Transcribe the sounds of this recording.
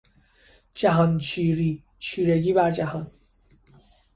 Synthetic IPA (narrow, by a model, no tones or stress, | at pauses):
d͡ʒæɦɒnt͡ʃʰiːɾiː | t͡ʃʰiːɾeɡiːbæɾd͡ʒæɦɒn